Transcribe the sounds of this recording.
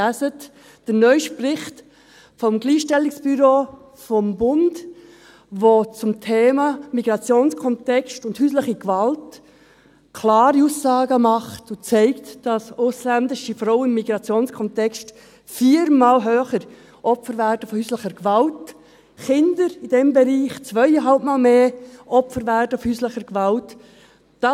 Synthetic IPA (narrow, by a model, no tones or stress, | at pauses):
æszət | d̥ənœʏʃprɪχt | fɔmɡliːʃtɛlɪksb̥yɾoː | fɔmbʊnd | ʋot͡sʊmtʰeːmɑmiɡɾɑt͡sjoːnskʰɔntɛkstʊnthyːsləχikvɑlt | kʰlaːɾiuːsːɑːɡəmɑχtʊt͡sɛɪktd̥ɑsʊslændɪʃifɾɔʊəɪmːiɡɾɑt͡sjoːnskʰɔntɛkst | fiːɾmaːlɦøːχəɾ | ʔɔpfəɾvæɾdəfɔhyːsləχəɾkʋɑlt | χɪndəɾid̥ɛmbɛɾiːχt͡svœɪəɦɑlp̚maːlmeːʔɔpfəɾvæːɾdəfhyːsləχəɾkʋɑlt | d̥ɑ